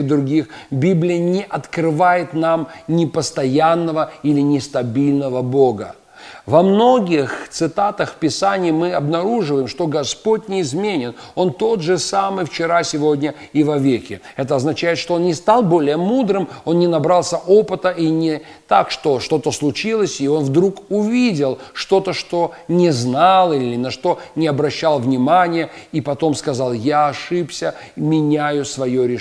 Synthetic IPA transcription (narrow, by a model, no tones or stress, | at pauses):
d̪ɾʊɡʲixbʲiblʲɪjənʲɪʔɐt̪kɾɨvajɪt̪namnʲɪpəst̪ɐjanːəvəilʲɪnʲɪst̪ɐbʲilʲnəvəbo̞ɡə̰ | vɐmno̞ɡʲɪxt̪sɨt̪at̪əxfpʲɪsanʲɪːmɨɐbnɐɾuʐɨvəjɪmʂt̪o̞ɡɐspotʲnʲɪɪzmʲenʲɪno̞nt̪o̞t̪ʐɨsamɨjft͡ɕɪɾasʲɪvo̞dʲnʲə | ivɐvʲekʲɪ | ɛt̪əɐznɐt͡ɕæjɪt̪ʂt̪o̞onnʲɪst̪alˠbo̞lʲɪjəmud̪ɾɨmo̞nnʲɪnɐbɾalˠsʲəʔo̞pɨt̪əʔinʲɪ | t̪akʂt̪o̞ʂt̪o̞t̪əslˠʊt͡ɕilˠəsʲio̞nvd̪ɾukʊvʲidʲɪlˠʂt̪o̞t̪əʂt̪o̞nʲɪznalˠilʲɪɪnɐʂt̪o̞nʲɪɐbɾɐɕːalˠvnʲɪmanʲɪjəipɐt̪o̞mskɐzɑlˠjaɐʂɨpsʲə | mʲɪnʲæjʊsvɐjoɾʲɪ